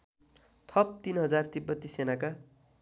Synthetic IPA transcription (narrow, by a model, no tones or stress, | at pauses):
t̪ʰʌp̚t̪inɦʌd͡zart̪ibːʌt̪ːisenaka